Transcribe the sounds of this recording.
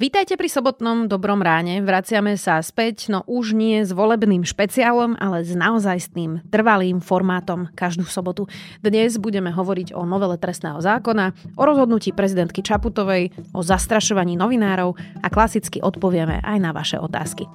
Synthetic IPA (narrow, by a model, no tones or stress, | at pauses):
ʋiːt̪ajcɛpɾisɔbɔt̪nɔmd̪ɔbɾɔmɾaːɲɛʋɾat͡sɪamɛsaspɛcnɔʔuʒɲɪɛzʋɔlɛbniːmʃpɛt͡siaːlɔmalɛznaɔzajst̪iːmt̪r̩ʋaliːmfɔɾmaːt̪ɔmkaʒd̪uːsɔbɔt̪ud̪ɲɛzbuɟɛmɛɦɔʋɔɾiɟɔ̰nɔʋɛlɛt̪ɾɛsnɛ̰ːɦɔzaːkɔnaʔɔɾɔzɦɔd̪nuciːpɾɛzid̪ɛnt̪̚kit͡ʃaput̪ɔʋɛjʔɔzast̪ɾaʃɔʋaɲiːnɔʋinaːɾɔʊaklasit͡skiʔɔt̪pɔʋɪɛmɛ̰ʔa̰jnaʋa̰ʃɛ̰ʔɔ̰t̪a̰ːski